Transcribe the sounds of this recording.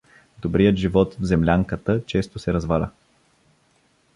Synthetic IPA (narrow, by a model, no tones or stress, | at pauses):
d̪obɾijət̪ʒivɔt̪vzɛmlʲaŋkət̪ət͡ʃɛst̪osɛɾɐzvalʲə̰